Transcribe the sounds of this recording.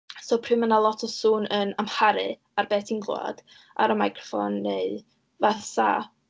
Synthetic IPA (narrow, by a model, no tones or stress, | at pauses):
soːwpʰrɪmənalˠɔtʰɔsuːnʔənamhaɾɨ | arbɛːtʰinɡlˠa̰d̥ | ʔa̰ɾəmajkʰrɔ̥fɔ̰nːeɨ | vaθsa̰